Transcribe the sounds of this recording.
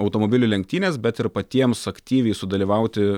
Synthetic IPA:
ɐʊt̪oːmoːbʲɪlʲʊlʲɛŋk̚t̪ʲiːnʲeːsbʲɛt̪ɪɾpɐt̪ʲiɛmsɐkt̪ʲiːʋʲɛɪsʊd̪ɐlʲiːʋɐˑʊt̪ʲɪ

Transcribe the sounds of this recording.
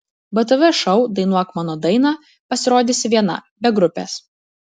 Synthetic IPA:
bɐt̪̬ɐʋʲɛʃɐʊd̪ɐɪnuɔkmɑnoːd̪ɐɪnɑː | pɐsʲɪɾoːd̪ʲɪsʲɪʋʲiɛnɐ̰bʲɛɡɾʊpʲḛːs

